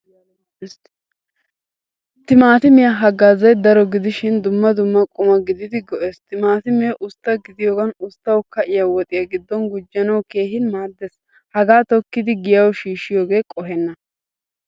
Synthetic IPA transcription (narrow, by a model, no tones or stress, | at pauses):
t̪ɪmaːt̪ɪmɪjaɦɐɡaːzɐjd̪ɐɾɔɡɪd̪ɪʃɪnd̪ʊmːɐd̪ʊmːɐkʼʊmɐɡɪd̪ɪd̪ɪɡɔʔeːst̪ɪmaːt̪ɪmɛʔʊst̪ːɐɡɪd̪ɪjoːɡɐnʊst̪ːɐwkɐʔɪjɐwɔt̪ʼɪjɐɡɪd̪ːɔnɡʊd͡ʒːɐnɐwke̞ːɦɪnmaːd̪ːes | hɐɡaːt̪ɔkːɪd̪ɪɡɪjɐwʃiːʃɪjoːɡe̞ːkʼɔɦɛnːɐ